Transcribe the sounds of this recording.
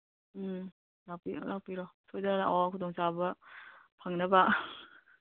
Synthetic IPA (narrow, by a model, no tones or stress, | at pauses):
lapilak̚piɾɔtʰojdɐnaʔɔkʰutʰɔŋsabɐpʰaŋnɐba